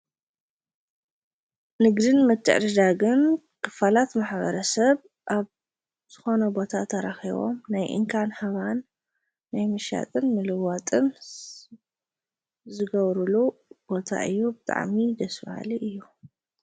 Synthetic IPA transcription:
nɨɡd̪ɨnmɨt̪ʰːɨ̰ʕɾɨd̪aɡɨn | kʰɨ̥falat̪maħβɐ̰ɾɐsɐβ | ʔaβ | z̥ɨxo̞nɐbo̞t̪ʰat̪ʰɐɾaxiβo̞̰mnajʔɨ̰ŋkʰanhaβanː | ajmɨʃa̰t̪ʼɨnmɨlɨwat̪ʼɨn | zɨɡɐβɾulub̥o̞t̪ʰa̰ʔɨjːubɨt̪ʼa̰ʕmid̪ɐsfa̰ha̰liʔɨjːu

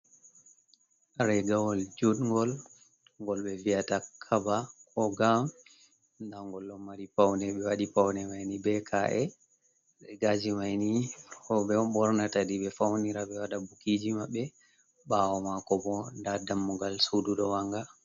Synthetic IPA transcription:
ɾɛɡawɔld͡ʒudŋɡɔl | ŋɡɔlɓɛviatakʰabakʰɔɡam | ndaŋɡɔlːɔmmaɾipawnɛɓɛwaɗipawnɛmajnibɛkʰaʔɛ | ɗɛɡad͡ʒimajniɔɓɛɔɓɔɾnatadiɓɛfawniɾaɓɛwaɗabukid͡ʒimaɓːɛ | ɓawɔmakɔbɔndadamːuɡalsuduɗɔwaŋɡa

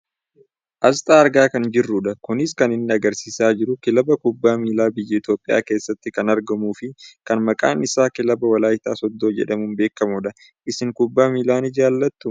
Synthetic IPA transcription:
ʔɐst̪ʼaːɐɾɡaːkɐnd͡ʒɪrːʊᶑɐkʊnɪskɐnɪnːɪɐɡɐɾsiːsaːd͡ʒɪɾʊkɪlɐbɐkʊbːaːmiːlaːbɪjːɐɪt̪jo̞ːpʼːɪja̰ːke̞ːsːɐt̪ːɪkɐnɐɾɡɐmuːfɪkɐnmɐkʼa̰ːnɪsaːkɪlɐbɐwɐlaːjɪt̪aːsɔd̪ːo̞ːd͡ʒɛ̰ᶑɐmʊmbe̞ːkːɐmʊᶑɐ | ʔɪsɪŋkʊbːaːmiːlaːnɪd͡ʒaːlːɐt̪ːʊ

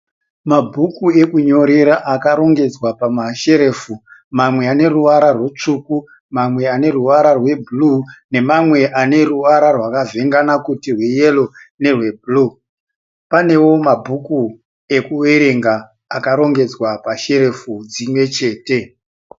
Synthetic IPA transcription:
mabʱukue̞kuɲo̞ɾeɾaʔakaɾo̞ŋɡe̞d͡zwapamaʃe̞ɾe̞ːfumamwe̞ane̞ruʋaɾarwet͡ʂuku | mamwe̞ane̞ruʋaɾarwe̞bʱulune̞mamwe̞ʔane̞ruʋaɾarwakave̞ŋɡanakutirwejelo̞ne̞rwe̞bʱuluː | pane̞wo̞mabʱuku | e̞kuweɾe̞ŋɡaː | kaɾo̞ŋɡe̞d͡zwapaʃe̞ɾe̞fud͡zimwe̞t͡ʃe̞ːte

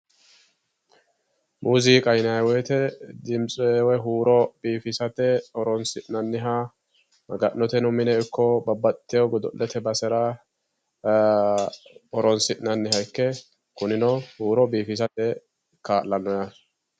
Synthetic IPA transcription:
muːziːkʼɐjnɐwɛjt̪ɛd̪ɪmt͡sʼɔewɛɦuːɾɔb̥iːfɪsɐt̪ɛɔɾɔnsɪʔnɐnːɪɦa | mɐɡɐʔnːɔt̪ɛnʊmɪnɛɪkːɔbɐbɐt̪ːɪjɔɡɔd̪ɔ̰ʔlʔɛt̪ɛbɐsɛɾɐ | ɔɾɔnsɪʔnɐnːɪɦɐjkːɛ | kʊnɪnɔhuːɾɔbiːfɪs̬ɐt̪ɛ | kaːʔlɐnːɔjɐ

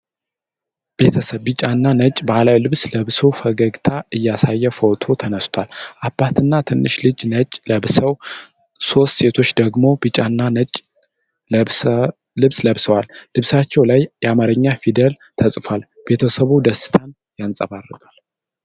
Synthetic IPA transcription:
b̥e̞t̪ʰəsəβːɨt͡ʃʼanːanət͡ʃʼbalawlɨβsləβsəwfəɡəɡt̪ʰaʔɨjːasajːɛfot̪ʰo̞t̪ʰənəst̪ʰwalʔabːat̪ʰɨnːat̪ʰɨnːɨʃlɨd͡ʒnət͡ʃʼləβsəw | so̞st̪se̞t̪ʰo̞t͡ʃːd̪əɡmo̞bɨt͡ʃʼanːanət͡ʃʼ | ə | lɨβsləβsəwalːɨβsat͡ʃːɛwlajjɛamaɾəɲːafid̪əl | t̪ʰəsʼfal | b̥e̞t̪ʰəsəβud̪əsɨ̥t̪ʰan | jansʼə̰βarːɨɡal

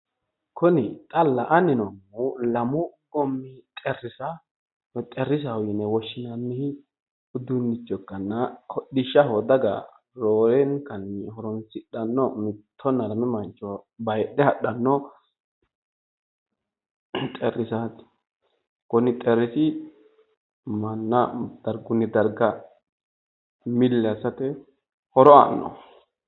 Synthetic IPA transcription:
kʰɔnɪt̪ʼɐlːɐʔɐnɪnɔmːʊlɐmʊɡɔmːɪt̪ʼɛrːɪsɐ | t̪ʼɛrːɪs̬ɐwʊjɪnɛwɔʃːɪnɐnːɪhɪ | ʊd̪ʊnːɪt͡ʃːɔkːɐnːɐhɔɗɪʃːɐhɔd̪ɐɡɐ̰ | ɾoːɾɛŋkɐnːɪhɔɾɔnsɪɗɐnːɔmɪt̪ʰːɔnɐɾmɪmɐnt͡ʃʼːɔbɐjɗːɛhɐɗɐnːɔ | t̪ʼɛɾːɪsaːt̪ | kɔnɪt̪ʼɛɾɪsɪ | mɐnːɐd̪̥ɐɾɡʊnːɪd̪ɐɾɡɐ | mɪlːɛɐsɐt̪ɛ | hɔɾɔa̰nːɔ̰

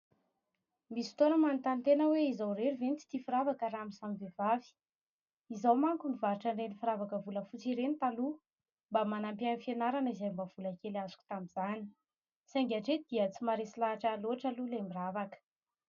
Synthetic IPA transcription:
misi̥t̪onəmanit̪ant̪enəweizawreɾuvent͡si̥t̪ifiɾavakəɾamisamvevavi̥ | izawmaŋkunivaɾuʈ͡ʂaɳɖ͡ʐenifiɾavakəvuləfut͡siɾenit̪alu | mbamanampianifenaɾanizajmbav̥ulakelazu̥kʲu̥t̪amizani̥ | saŋɡʲaʈ͡ʂed̪̥iət͡simaɾesilaaʈ͡ʂaloaʈ͡ʂəlulemiravakə̥

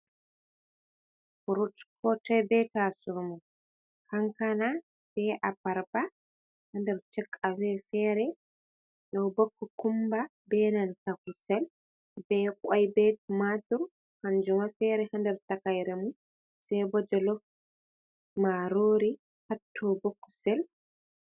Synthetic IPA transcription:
fuɾutkɔtɛbɛtasumɔ | kaŋkana | sɛʔabaɾba | handɛɾt͡ʃɛkʼːawɛfɛːɾɛ | ɗɔwbɔkːɔkumba | bɛnantakusɛl | bɛkajbɛtmatuɾ | hand͡ʒumafɛɾɛhandɛɾtakajɾemu | sɛbɔd͡ʒɔlɔ | maɾoːɾi | hatʰːɔbokːɔ̥sɛl

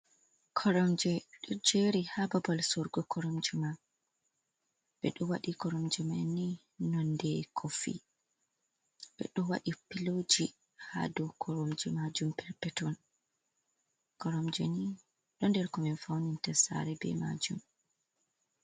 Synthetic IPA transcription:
kʰɔɾɔmd͡ʒɛɗɔd͡ʒeɾihababalsɔɾɡɔkʰɔɾɔmd͡ʒuma | bɛ̰ɗɔwaɗikɔɾɔmd͡ʒɛmani | nɔndɛkʰɔfḭ | bɛ̰ɗɔwa̰ɗipilod͡ʒi | ha̰dɔkʰɔɾɔmd͡ʒɛmad͡ʒumpɛɾpɛtɔn | kɔɾɔmd͡ʒɛni | ɗɔndɛɾkɔmɛnfawnintɛsa̰ɾɛbɛ̰ma̰d͡ʒum

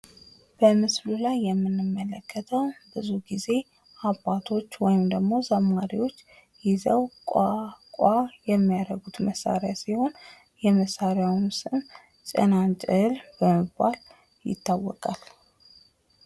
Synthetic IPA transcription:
b̥əmɨslulajːɛmːɨnːɨmːələkʰːət̪ʰəwbɨzuɡize̞ | ʔabːat̪ʰo̞t͡ʃːwɔjɪmd̪əɡmo̞zamːaɾiwo̞t͡ʃː | jɪzəwkʼakʷʼajɛmːijad̪əɡut̪məsːa̰ɾjasiho̞n | jɛməsaɾjawnsɨm | t͡ʃʼə̰nant͡ʃʼɨlbəmɨbːal | jɪ̰t̪ʰːawːɔkʼal

